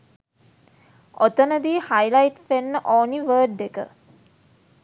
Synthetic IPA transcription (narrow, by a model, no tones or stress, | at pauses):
ot̪ənəd̪iːhajlajʈ̪fenːəʔoːniʋəːɖːekə̰